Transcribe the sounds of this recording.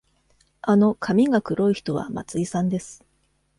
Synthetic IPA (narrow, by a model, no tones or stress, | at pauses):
ano̞kʰamʲiɡakɯ̟ɾo̞içi̥t̪o̞βa̰ma̰t͡sɨisãnd̪e̞sɨ̥